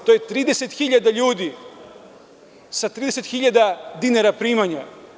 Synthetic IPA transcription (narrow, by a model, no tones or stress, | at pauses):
t̪ojet̪ɾiːd̪e̞set̪xiʎad̪aʎuːd̪i | sat̪ɾiːd̪e̞set̪xiʎad̪ad̪inaɾapɾiːmaɲa